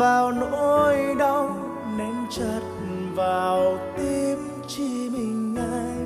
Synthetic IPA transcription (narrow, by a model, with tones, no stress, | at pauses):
vaː˨˩wno˧jɗə˧w | nɛ˧˦mt͡ɕə˧˩t̚ | vaː˨˩wt̪i˧m | t͡ɕi˧mï˨˩ŋ̟ːaː˧j